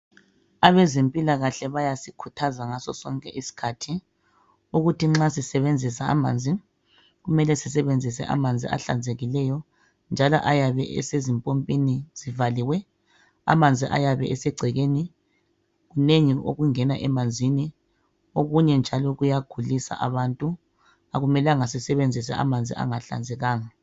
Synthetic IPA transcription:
aβɛzempʼilaɣaɬɛβajasikʰutʰazaŋasɔ̰sɔŋkʼɛʔisi̥kʰatʰi | uɣutiŋ͡ǁasisɛβend͡zʱisa̰ːma̰ːnd͡zʱi | ɣumɛlɛsisɛβend͡zʱisɛ̰ʔa̰mand͡zʱḭa̰ɬa̰nd͡zʱeɣilɛjɔ | nd͡ʒʱalɔ̰ʔajaβɛ̰ɛ̰sezimpʼompʼiniz̥ivaliwɛ | a̰mand͡zʱiʔa̰jaβɛʔɛsɛɡ͡ǀʱɛɣeni | ɣuneŋio̰ɣuŋɛnaʔɛmand͡zʱini | oɣuɲɛnd͡ʒʱalɔɣujaɡ̥ʱulisa̰ʔa̰βantʼu | aɣumɛlaŋasisɛβend͡zʱisa̰a̰mand͡zʱḭa̰ŋaɬa̰nd͡zʱɛɣaːŋa

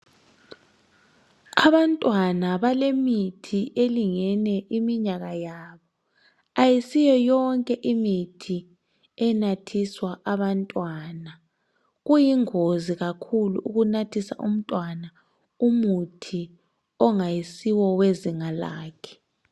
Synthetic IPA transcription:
aβantʼwanaβalemitʰiʔeliŋɛnɛʔimiɲaɣajaːβɔ | ajisijɔjɔŋkʼɛʔimitʰi | ɛnatʰiswaʔaβantʼwana | ɣujiŋoziɣakʰulṵʔuɣunatʰisa̰ʔṵm̩tʼwana | umutʰi | ɔŋajisiwɔweziŋalaːkʰɛ̥

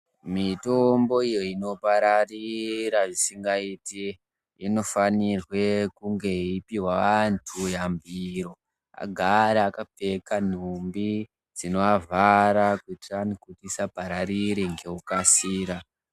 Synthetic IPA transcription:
mito̞mbo̞ijo̞ino̞paɾariɾaʐisiŋɡaiti | ino̞fanirwe̞kuŋɡe̞ipiwaʋantʰujambiɾo̞ | a̰ɡʱaɾeakap͡fekan̤umbi | d͡zino̞avʱaɾakuitranikutisapaɾaɾiɾiŋɡe̞ukasiːɾa

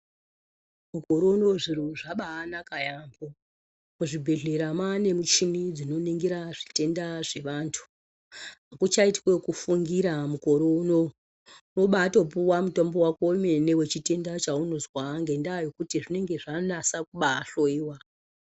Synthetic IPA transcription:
muko̞ɾo̞uno̞ʐiɾuʐaɓaːnakajambo | kuʐibʱe̞ɮe̞ɾamane̞mut͡ʃinid͡zino̞niŋɡiɾaʐ̥ite̞ndaʐe̞ʋaːntʰu̥ | ɦakut͡ʃaitkwe̞kufuŋɡiɾamuko̞ɾouno̞ | noɓaːto̞p̬uwamuto̞mbo̞wakoime̞ne̞we̞t͡ʃite̞ndat͡ʃaunozwaŋɡe̞ndajo̞kutiʐine̞ŋɡe̞ʐanasakuɓaːɬoiwa

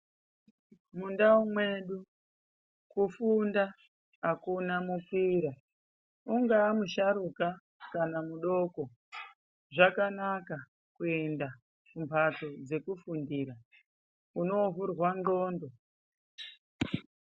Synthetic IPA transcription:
mundaumwe̞ɗu | kufundaː | kunamukiɾa | uŋɡaːmuʃaɾuka | kanamuɗo̞ko̞ | ʐakanaka | kue̞nda | kumpʰato̞d͡ze̞kufundiɾa | uno̞ɦurwanɡo̞ːndo̞

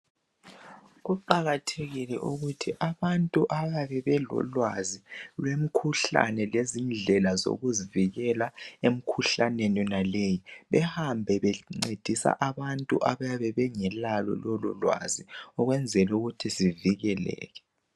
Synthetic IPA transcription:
ɣuǃaɣatʰeɣilɛʔuɣutʰiʔaβantʼuʔaβaβɛβɛlɔ̰lwazilwem̩kʰuɬa̰nɛlezind͡ɮʱɛlazo̰ɣuziviɣɛlaem̩kʰuɬaneninalejiβɛhambʱɛβɛŋ͡ǀed̥ʱisa̰ʔaβantʼṵʔaβajaβɛβɛŋɛlalɔ̰lɔlɔ̰lwa̰ziɔɣwɛnd͡zʱɛlɛuɣutʰisiviɣɛlɛ̰ːɣɛ̥

